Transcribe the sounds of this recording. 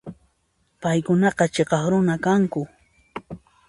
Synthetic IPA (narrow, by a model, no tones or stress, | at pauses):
pajkʊnɑqɑt͡ʃeqɑχɾʊnakaŋkʊ